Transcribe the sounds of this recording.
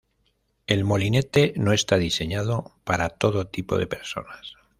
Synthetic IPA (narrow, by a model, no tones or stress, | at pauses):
e̞lmo̞line̞t̪eno̞e̞st̪aðise̞ɲað̞o̞paɾat̪o̞ðot̪ipo̞̰ðepe̞ɾso̞̰nas